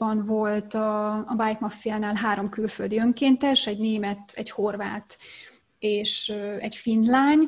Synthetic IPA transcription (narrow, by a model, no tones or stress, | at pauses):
ɒnvo̞lt̪ɒːbajkmɒfijaːnaːlɦaːɾo̞mkylføld̪iøŋkeːnt̪ɛʃɛɟneːmɛt̪ɛɟho̞rvaːt̪ | eːʃøɛɟfinlaːɲ